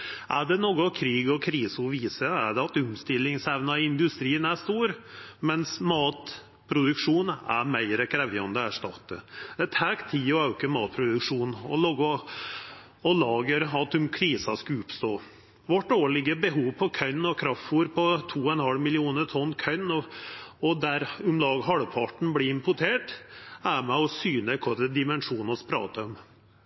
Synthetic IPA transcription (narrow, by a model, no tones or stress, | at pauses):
ʔæɖɛnoːɡɔkʰɾiːɡɔkʰɾiːsɔʋiːsəæɖɛɑt̪ʉmst̪ɪlːɪŋsɛʋnɑɪnd̪ʉst̪ɾiːənæʂt̪uːɾmɛnsmɑːt̪ | pʰɾʊd̪ʉkʂuːnæ̰ɾmæɪɾəkʰɾɛʋjɑɔnd̪əæʂʈɑt̪ːə̰d̪ɛt̪ʰæːkt̪ʰiːɔɑʉkəmɑːt̪̚pʰɾʊd̪ʉkʂuːnɔ̰loːɡɔ | ɔlɑːɡəɾɑt̪ːʉmkʰɾiːsɑskʉʊpst̪oː | ʋɔʈːoːɭɪɡəbəɦuːʋpʰɔkʰœʏnːɔkʰɾɑftuːɾpʰɔt̪ʰuːɔɛnhɑlmɪlɪuːnət̪ʰɔnːkʰœnɔɔd̪æɾʉmlɑːɡəɦɑɽpʰɑʈɳ̩bliːɪmpʊʈʰeːʈæmɛɔsyːnəkʰɔɾəd̪ɪmɛnʂuːnɔspʰɾɑ̰ːt̪əɔm